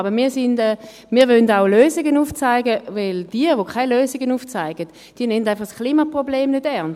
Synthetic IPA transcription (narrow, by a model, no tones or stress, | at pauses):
ɑbəmiːɐsɪndɛː | miːɐʋøndaʊløːzɪɡənuːft͡saɪɡəvɪld̥iːəʋokʰaɪløːzɪɡənuːft͡saɪɡ̥ət | d̥iːɐnɛntaɪnfɑχskʰliːmapʁobleːmnødɛʁn